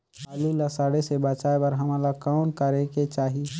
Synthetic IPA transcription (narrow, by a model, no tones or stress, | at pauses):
aːlulasaɽesebət͡ʃaːebəɾɦəmalakaːnkəɾeket͡ʃaːɦi